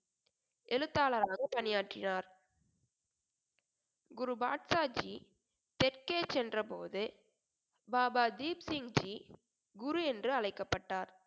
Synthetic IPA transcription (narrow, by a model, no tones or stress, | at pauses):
ʔɛlɯt̪ːaːlɐɾaːɣɐpɐnɪjaːʈrɪnaːɾ | ɡʊɾubaːʈsaːd͡ʒi | t̪ɛrkeːt͡ʃɛndrɐpo̰ːðɯ | baːbaːd̪iːpsɪŋd͡ʒi | ɡʊɾuɛndrɯɐlɐɪkːɐpːɐʈːaːɾ